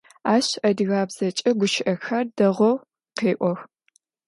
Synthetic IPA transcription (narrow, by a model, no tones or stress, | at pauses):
aːɕɐdɣaːbz̥ɐt͡ʃʼɐɡʷʊʃɪʔɐxɐrdɐʁʷɔw | qeːʔʷɔx